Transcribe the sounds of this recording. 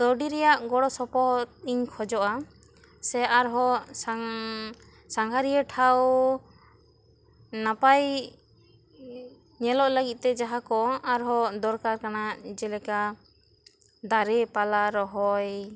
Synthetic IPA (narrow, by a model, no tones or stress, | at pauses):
d̪ɔɖiɾɛjaʔɡɔɽɔsɔpɔt̪̚iɲkʰɔd͡ʒɔʔa | sɛaɾɦɔsa | saŋɡʰʱaɾiəʈʰaw | napaj | ɲɛlɔʔləɡit̪̚ˀt̪ɛd͡ʒaɦakɔaɾɦɔd̪ɔɾkaɾkanad͡ʒɛlɛka | d̪aɾɛpalaɾɔɦɔj